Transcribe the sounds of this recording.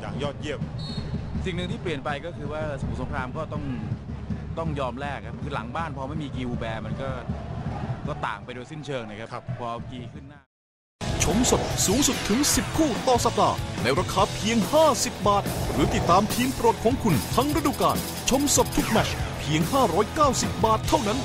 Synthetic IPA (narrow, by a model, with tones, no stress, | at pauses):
ja̰ː˨˩kjɔː˥˩t̪̚ji˥˩əp̚ | si˨˩ŋnɯ˨˧ŋt̪ʰiː˥˩pli˨˩ənpa˧jkɔː˥˩kʰɯː˧waː˥˩sa˩m̚˨˦˩so˩˦kʰɾaː˧mkɔː˥˩t̪ɔ˥˩ŋ | t̪ɔ˥˩ŋjɔː˧mɾɛː˥˩kʰːa˦˥p̚kʰɯː˧la̰˨˩˦ŋbaː˥˩npʰɔ˧ma˥˩jmiː˧kiː˧ʔuː˧bɛː˧ma˧nkɔː˥˩ | kɔː˥˩t̪a̰ː˨˩ŋpa˧jdoː˧jsi˥˩nt͡ɕʰɤː˧ŋna˧˩kʰa˦˥kppʰɔː˧ʔa˧kiː˧kʰɯ˥˩nːaː˥˩ | t͡ɕʰo˧mso˨˩t̚suː˨˦ŋsu˨˩t̪ʰːɯ˩˦ŋsi˨˩p̚kʰuː˥˩t̪ɔː˨˩sa˧k̪a̰ː˨˩na˧jɾaː˧kʰaː˧pʰi˧əŋhaː˥˩si˨˩p̚baː˨˩t̪̚ɾɯː˩˦t̪i˨˩t̪ːaː˧mpʰiː˧npɾo˨˩t̪̚kʰɔː˨˦ŋkʰu˧nt̪ʰa˦˥ŋɾa˥duː˧kaː˧˩n | t͡ɕʰo˧˥mso˨˩t̪̚ʰːu˦˥k̚mɛ˧˩t͡ɕ̚pʰi˧əŋhaː˥˩ɾɔː˦˥jkaː˥˩wsi˨˩p̚baː˨˩t̪ʰːa˥˩wna˦˥n